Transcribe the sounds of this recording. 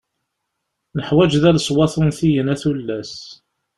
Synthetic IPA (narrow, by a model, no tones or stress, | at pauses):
nəħwæd͡ʒðælsˤwɑθunθijənæθulːæs